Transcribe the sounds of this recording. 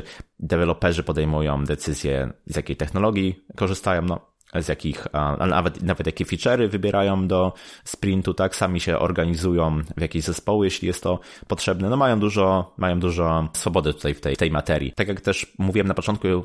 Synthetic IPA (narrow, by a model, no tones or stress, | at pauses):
d̪ɛvɛlɔpɛʐɘpɔd̪ɛjmujɔ̰̃w̃d̪ɛt̪sɘzʲjɛ̰zjakʲejt̪ɛxnɔlɔɡʲjikɔʐɘst̪ajɔ̃w̃nɔ | zʲjakʲixʔa̰na̰vɛt̪navɛt̪jakʲɛfʲit͡ʂɛɾɘvɘbʲjɛɾʔajɔ̃w̃d̪ɔspɾʲint̪ut̪aksamʲiɕɛʔɔ̰ɾɡaɲizujɔ̃w̃vjakʲeʑzɛspɔwɘjɛɕlʲḭjɛst̪ːɔpɔtʂɛbnɛnɔmajɔ̃w̃d̪uʐɔmajɔ̃w̃d̪uʐɔsfɔbɔd̪ɛt̪u̥t̪ajft̪ɛt̪ɛjmat̪ɛɾʲjḭt̪akʲjakt̪ɛʂmuvʲiwɛmnapɔt͡ʂɔnt̪̚ku